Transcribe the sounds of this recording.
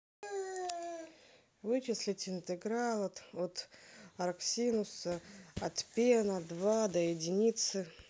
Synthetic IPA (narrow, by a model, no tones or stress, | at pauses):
vɨt͡ɕɪslʲɪtʲɪnt̪ɨɡɾalˠət̪ot̪ɐɾksʲinʊsəɐt̪pʲenəd̪vad̪əjɪdʲɪnʲit̪sɨ